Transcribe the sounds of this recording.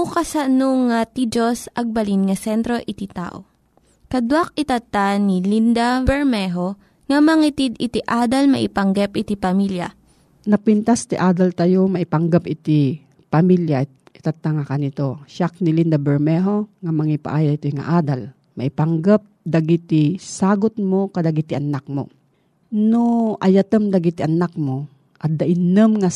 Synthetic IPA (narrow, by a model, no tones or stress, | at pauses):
ukɐsɐnoŋat̪id͡ʒosʔɐɡ̚bɐlinŋɐsɛnt̪ɾo̞ʔɪt̪it̪a̰ːʔo̰ | kɐd̪wak̚ɪt̪ɐt̪ːanilind̪ɐbɛɹmɛɦo | ŋɐmɐŋit̪id̪ɪt̪iʔaːd̪ɐlmɐ̰ʔɪpɐŋɡɛpʔɪt̪ipɐmiljɐ̰ | nɐpɪnt̪ast̪ɪʔaːd̪ɐlt̪ɐjomɐʔɪpɐŋɡapɪt̪i | pɐmilja | ʔɪ̥t̪at̪ːaŋakanɪt̪oʃak̚nɪlind̪abɛɹmɛɦoŋamɐŋipa̰ʔaːjait̪ojŋa̰ʔaːd̪al | mɐʔɪpaŋɡap̚d̪ɐɡit̪isaːɡot̪̚mokad̪ɐɡit̪iʔɐnak̚mo̰ | noʔɐjat̪əmd̪ɐɡit̪iʔɐnak̚mo | ʔɐt̪̚d̪ɐʔɪnəmŋa